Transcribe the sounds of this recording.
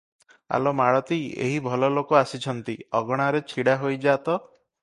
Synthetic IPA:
a̰lomaɭɔt̪iḛɦibʱɔlɔlokɔasit͡ʃʰɔnt̪iɔɡɔɽ̃aɾet͡ʃʰiɽaɦojd͡ʒat̪ɔ

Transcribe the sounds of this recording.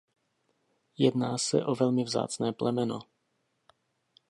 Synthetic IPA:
jɛdnaːsɛ̰ʔovɛlmɪvza̰ːt͡snɛːplɛmɛno̰

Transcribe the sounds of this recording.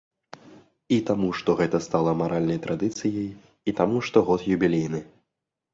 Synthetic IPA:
it̪amuʂt̪ɔɣɛt̪ɐst̪alˠɐmaɾʔalʲnɐjt̪ɾʔad̪ɨt̪sɨjɐj | it̪amuʂt̪ɔɣɔt̪jubʲilʲejnɨ

